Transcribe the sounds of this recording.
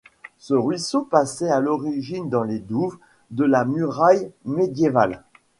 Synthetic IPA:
səʁɥisopasɛalɔʁiʒind̪ɑ̃led̪uv | d̪əlamyʁajmed̪jeva̰l

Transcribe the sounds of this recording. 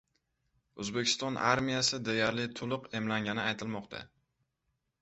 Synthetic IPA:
ɵzbekʲʰɪ̥st̪ɒnʔa̰ɾmijasɪd̪ejaɾlɪt̪ʰʊlˠʊqe̞mlaŋʲanɪajt̪ʰɪlmɒqt̪ʰa̰

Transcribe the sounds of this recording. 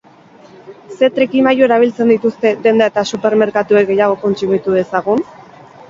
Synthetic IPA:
se̞t̪ɾekimajoe̞ɾaβ̞ilt͡se̞nd̪it̪ust̪e̞d̪e̞nd̪aet̪asupe̞ɾme̞ɾkat̪uekɡe̞jaɣ̞o̞ko̞nt͡sumit̪uðe̞saɣ̞un

